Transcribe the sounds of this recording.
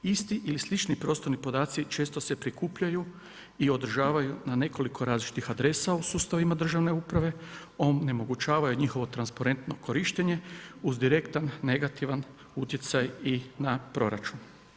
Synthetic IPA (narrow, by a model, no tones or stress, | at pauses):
ist̪iʔilislit͡ʃnipɾo̞ːst̪o̞ɾnipo̞d̪aːt̪sit͡ʃe̞ːst̪ose̞pɾikuːpʎaju | io̞d̪r̩ʒaːʋajunane̞ko̞likʰo̞ɾaːzlit͡ʃi̥t̪ixad̪ɾe̞sausuːst̪aʋimad̪r̩ʒaʋne̞upɾaʋe̞ | onne̞mo̞ɡut͡ʃaːʋajuɲixo̞ʋo̞t̪ɾanspaɾe̞nt̪no̞ko̞ɾiʃt̪eɲe̞uzd̪iɾe̞kt̪anːe̞ɡat̪iʋan | ut̪je̞t̪sajinapɾo̞ɾa̰t͡ʃun